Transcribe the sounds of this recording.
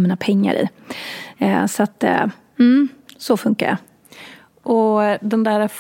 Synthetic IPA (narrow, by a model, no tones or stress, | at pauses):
miːnapʰɛŋːa̰ɾɪ̰ː | sat̪ː | m̩sɔfɵŋka̰ɾə̰ | ʔɔd̪ɛnd̪æːɾf